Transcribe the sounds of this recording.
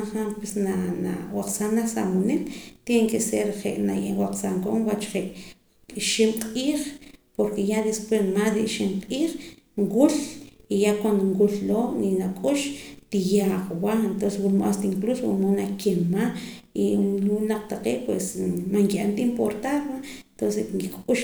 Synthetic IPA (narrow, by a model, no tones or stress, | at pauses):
ɴχampwesnana̰waq͡χsanaχsamonilt̪jeŋkʼeseɾχḛʔna̰jewaq͡χsaŋkoŋwat͡ʃχeʔʼ | ʃimqʼiːχpoɾkejad̪espwesmasd̪iʔʃimqʼiːχ | ŋwulijakwand̪oŋwulloːninakʼuʃt̪ijaχwaent̪onseswulmʔa̰st̪iŋkluswṵmonakemaiunaq͡χt̪aqeːʔpwesmaŋkiʔant̪impoɾt̪aɾwaent̪onseŋkikʼuʃ